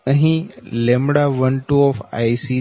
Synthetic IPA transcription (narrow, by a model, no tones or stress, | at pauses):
əɦĩlẽmɽaʋənʈuɔfa̰ːjsi